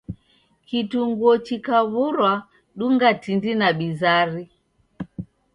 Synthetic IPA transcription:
kituŋɡuɔt͡ʃikaβuɾwa | ɗuŋɡatindinaɓizaɾi

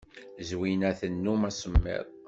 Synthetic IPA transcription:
zwinæθənːumæsəmːɪ̰ðˤ

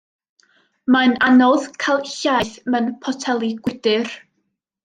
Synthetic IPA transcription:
mananɔðkʰalˠɬajθmənpʰɔtʰɛlˠiɡ̥wɪdɨr

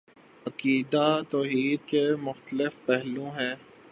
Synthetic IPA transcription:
ɐkiːd̪at̪ɔːɦiːd̪kemʊxt̪əlɪfpɛɦlõɦɛ̃ː

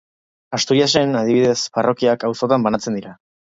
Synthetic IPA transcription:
ast̪ujase̞nað̞iβiðe̞sfarʔo̞kiakawso̞t̪ambanat͡se̞nd̪iɾa

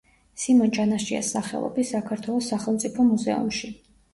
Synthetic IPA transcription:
simɔnt͡ʃʼanaʃia̰sːaχɛ̰lˠɔ̰bisakʰaɾt̪ʰwɛlˠɔsːaχɛlˠmt̪sʼipʰɔmuzɛ̰ṵmʃi

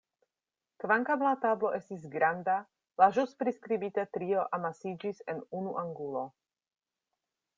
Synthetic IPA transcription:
kvaŋkamlatablo̞ʔe̞stis̬ɡɾanda | laʒuspɾiskɾibitetɾio̞ʔamasid͡ʒisenunuʔaŋɡulo̞

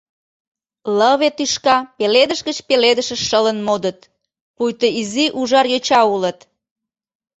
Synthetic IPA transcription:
ləβet̪yʃkɑpeled̪əʃɣət͡ɕpeled̪əʃəʃʃələnmod̪ət̪ | pujt̪əiziʔuʒɑrjøt͡ɕɑulət̪

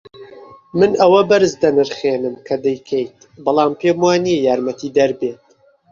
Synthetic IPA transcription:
mɨnʔɐwɐbɐɾɨzd̪ɐnɨɾχeːnɨmkʰɐd̪ɛjkʰejt̪ | bɨlˠɑːmpʰeːmwaːniɛjaːɾmɐt̪iːd̪ɐɾbeːt̪̚

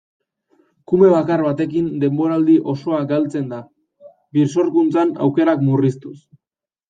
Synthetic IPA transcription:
kume̞β̞akarβat̪e̞k̬ind̪e̞mbo̞ɾald̪iʔo̞so̞akɡalt͡se̞nd̪a | biɾs̬o̞ɾkunt͡sana̰wke̞ɾakmurist̪u̥s

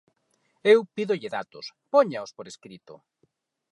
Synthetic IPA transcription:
ewpiðoʎɪðat̪ʊspoɲaospoɾeskɾit̪ʊ̰

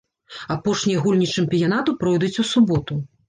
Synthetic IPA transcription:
apɔʂnʲijɐɣulʲnʲit͡ʂɨmʲpʲijanat̪ɨpɾɔjd̪ut͡sʲusubɔt̪u

